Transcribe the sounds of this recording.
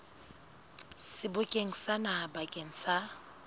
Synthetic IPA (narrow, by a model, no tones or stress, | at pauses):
sɪbʊkʼeŋ̩sanahabakʼeŋ̩sa